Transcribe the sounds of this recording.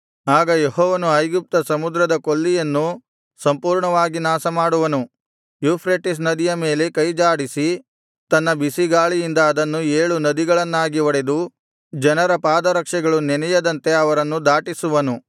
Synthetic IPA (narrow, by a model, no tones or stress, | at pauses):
aːɡɐjeɦɔːʋɐnuɐjɡup̚t̪ɐsɐmud̪ɾɐd̪ɐkolːijɐnːu | sɐmpuːɾɳɐʋaːɡinaːsɐmaːɽuʋɐnu | juːpʰɾeːʈis̬nɐd̪ijɐme̞ːle̞kɐjd͡ʒaːɽisi | t̪ɐnːɐbisiɡaːɭijind̪ɐːd̪ɐnːueːɭunɐd̪iɡɐɭɐnːaːɡiʋɐɽe̞d̪u | d͡ʒɐnɐɾɐpaːd̪ɐɾɐkʂɛɡɐɭunɛnɛjɐd̪ɐnt̪e̞ɐʋɐɾɐnːud̪aːʈisuʋɐnu